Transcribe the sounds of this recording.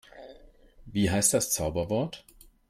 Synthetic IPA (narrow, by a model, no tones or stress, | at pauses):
viːɦaɪst̚d̥ast͡saʊbɐvɔɐt